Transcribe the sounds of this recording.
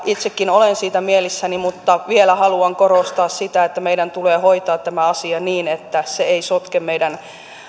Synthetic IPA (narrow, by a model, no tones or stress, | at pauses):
it̪sekːinolensiːt̪æmielisːænimut̪ːɑʋielæhɑluɑŋkorost̪ɑːssit̪æet̪ːæmeidænt̪uleːhoit̪ɑːt̪tæmæɑsiɑniːnet̪ːæseeisot̪kemmeidæn